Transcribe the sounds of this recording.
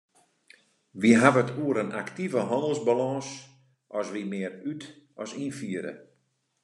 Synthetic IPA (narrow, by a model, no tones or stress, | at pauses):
ʋiɦavətʰuəɾənaktivəɦɔndəlˠzbalɔ̃ːs | ʔɔsʋimɪːəɾyt | ɔsinfiəɾə̰